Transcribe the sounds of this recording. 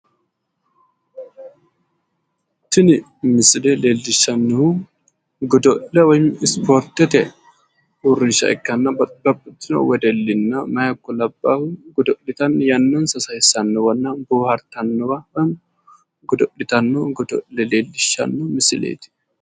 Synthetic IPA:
t̪ɪnɪ | mɪsɪlɛleːlːɪʃːɐnːɔhu | ɡɔd̪ɔʔlɛwɔjɪmɪspɔɾt̪ɛt̪ɛ | ʊrːɪʃɐ̰ɛ̰kːɐnːɐbɐbɐbːʊt̪ːɪnɔ̰wɛd̪ɛlːɪnːɐmɐjɐkːɔlɐbːaːhʊɡʊd̪ɔʔɪt̪ɐnjɐnːonsɐsɐhɪsɐnːɔwɐnːɐnbuːhɐɾt̪ɐnːɔwɐɐn | ɡʊd̪ɔlɪt̪ɐnːɔɡɔd̪ɔ̰ʔɛleːlːɪʃɐ̰nːɔmɪsɪlḛːt̪ɪ̥

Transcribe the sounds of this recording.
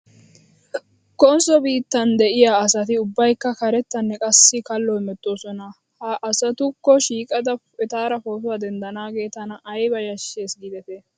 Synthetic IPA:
kɔnsɔbiːt̪ːɐnd̪ɛʔɪjaːɐsɐt̪ɪʊbːɐjkːɐkɐɾɛt̪ːɐnːɛkʼɐsːɪkɐlːɔhɪmɛt̪ʼːo̞ːsɔnɐ | hɐʔːsɐt̪ʊkːɔʃiːkʼɐd̪ɐ | ɛt̪aːɾɐfoːt̬ʊwaːd̪ɛnd̪ɐnaːɡe̞ːt̪ɐnɐʔɐjbɐjɐʃːe̞ːsɡid̪ɛt̪ɛ

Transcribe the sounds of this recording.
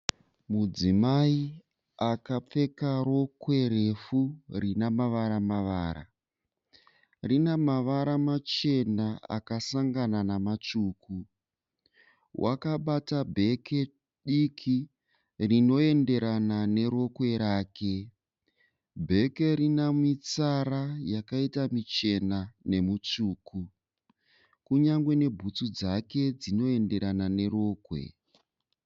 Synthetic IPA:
mud͡zimai | akap͡fe̞kaɾo̞kwe̞ɾe̞furinamaʋaɾamaʋaːɾa̰ | rinamaʋaɾamat͡ʃe̞naa̰kasaŋɡananamat͡ʂuːku | wʔa̰kaɓatabʱe̞ke̞ | ɗikʰi | rino̞e̞nde̞ɾanane̞ɾo̞kwe̞ɾaːke̞ | bʱe̞ke̞ɾinamit͡saɾajakaitamit͡ʃe̞nane̞mut͡ʂuːku | kuɲaŋɡwe̞ne̞bʱut͡sud͡zake̞d͡zino̞e̞nde̞ɾanane̞ɾo̞ːkwe̞̰

